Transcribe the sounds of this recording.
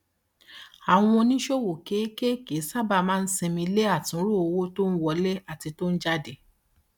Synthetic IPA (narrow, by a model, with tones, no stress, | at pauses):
a˨w̃ɔ̃˧nĩ˦ʃo˦wo˨ke˨˦ke˦ke˨˦sa˦ba˧˨mãː˦˧n̩˦se˧mĩ˧˦le˦a˦˨tĩ˨˦ɾo˦˨o˧wo˦to˦n̩˦wɔ˧lɛ˦a˦˨ti˧to˦n̩˦d͡ʒa˦de˨